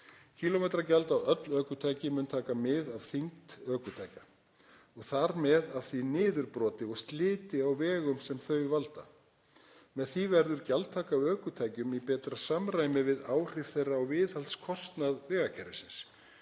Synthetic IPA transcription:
cʰiːlomɛjt̪ɾacalt̪awœt̪lœːkʏt̪ʰaːjcɪmʏnt̪ʰaːkamɪðav̥θiŋt̪œːkʏt̪ʰaːjca | ɔɣθaɾmɛðav̥θinɪːðʏɾpɾɔːt̪ɪɔɣst̪lɪːt̪ɪawvɛːɣʏmsɛmθœɥvalt̪a̰ | mɛðθivɛɾðʏɾcalt̪ʰaːkaœːkʏt̪ʰaːjcʏmipɛːt̪ɾasamɾaːjmɪvɪðaːwr̥ɪfθejrːaɔwvɪːðhalt̪skʰɔst̪naðvɛːɣacʰɛɾɪ̰sɪns

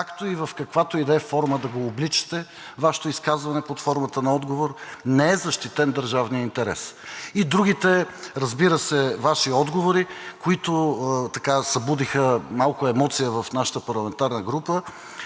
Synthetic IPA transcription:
kakt̪oivɐfkɐkvat̪oid̪ɛəfɔɾməd̪ɐɡoːblit͡ʃə̥t̪ɛ | vaʃɛ̥t̪oiskazvɐnɛpot̪fɔɾmət̪ənɐɔd̪ɡovoɾnɛɛzɐʃt̪it̪ɛnd̪əɾʒavnijəint̪ɛɾɛ̰sid̪ɾuɡ̟it̪ɛɾɐzbiɾəsɛvaʃiɔd̪ɡovoɾikoit̪ot̪ɐkasɐbud̪ixəmalˠkʊɛmɔt̪sijəvɐfnaʃə̥t̪əpɐɾlˠɐmɛnt̪aɾnəɡɾupə

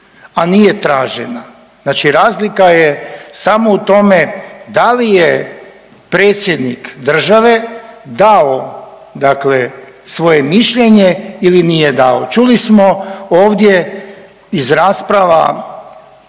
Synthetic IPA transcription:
anije̞t̪ɾaːʒena | znaːt͡ʃiɾaːzlikajesamo̞ut̪o̞me̞d̪alije | pɾe̞ːt̪sʲjed̪nikd̪r̩ʒaʋe̞d̪ao | d̪akle̞sʋo̞jemiʃʎe̞ɲeilinijed̪aot͡ʃulismo̞oːʋd̪je̞ | izɾaːspɾaʋa̰

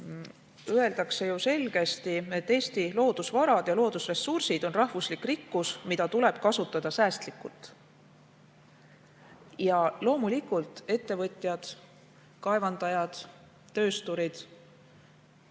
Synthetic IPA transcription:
ye̞ld̪ɑkse̞juse̞lɡ̥e̞st̪ie̞t̪ːe̞ːst̪ilo̞ːd̪usvɑɾɑd̪̥jɑlo̞ːd̪̥usre̞sːursid̪̥o̞nrɑhvuslikːrikːusmid̪̥ɑt̪ule̞b̥kɑsut̪ːˑɑd̪̥ɑsæːst̪likːˑult̪ˑ | jɑlo̞ːmulikult̪e̞t̪ːe̞vɤt̪ʲˑjɑd̪̥ | kɑe̞vɑnd̪̥ɑjɑd̪̥ː | ø̞ːst̪uɾid̪̥

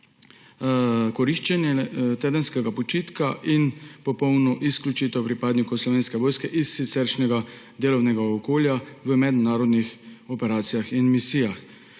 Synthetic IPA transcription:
kɔɾiʃt͡ʃɛnjɛt̪eːd̪ənskɛɡapɔt͡ʃiːt̪kaʔinpɔpɔwnɔʔisklʲut͡ʃit̪ɛwpɾipaːd̪nikɔwslɔʋeːnskɛʋoːjskɛʔisːit̪sɛɾʃnɛɡa | d̪eːlɔwnɛɡaɔkoːljaʋəmɛd̪naːɾɔd̪nixɔpɛɾaːt̪sijaxinmisiːjax

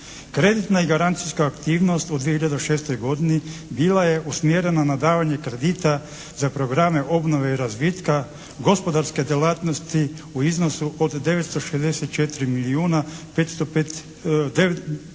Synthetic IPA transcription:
kɾe̞d̪it̪naiɡaɾant̪siskaːkt̪iːʋno̞st̪ud̪ʋiehiʎad̪eʃe̞ːst̪o̞jɡo̞d̪inibilˠaje̞ʔusmjeɾenanad̪aːʋaɲe̞kɾe̞d̪it̪a | zapɾo̞ɡɾame̞ʔo̞bno̞ʋeiɾazʋit̪ka | ɡo̞spo̞d̪aɾske̞d̪jelaːt̪nost̪i | uizno̞suʔod̪ːe̞ʋet̪st̪oʃezd̪eset̪̚t͡ʃet̪ɾimiliuːnapet̪st̪opet̪ | d̪e

